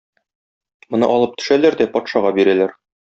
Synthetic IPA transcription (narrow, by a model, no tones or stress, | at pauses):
mŏnɤ̰ʔɒlˠɤp̚t̪ɵ̥̆ʃælæɾd̪æpɒt̪ʃɑʁɑbiɾælæɾ